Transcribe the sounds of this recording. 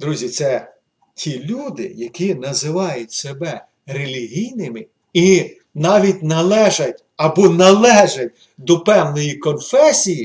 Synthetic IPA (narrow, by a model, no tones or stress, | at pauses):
d̪ɾuzʲit̪sɛ | tʲʰilʲud̪ɪ̰jɐkʲinɐzɪʋɑjʊtʲsebɛ | ɾelʲiɦʲijnɪmɪ | i | nɑʋʲitʲnɐlˠɛʒɐtʲ | ɐbɔnɐlˠɛʒɐt̚ʲ | d̪ɔpɛwnɔjikɔnfɛsʲiji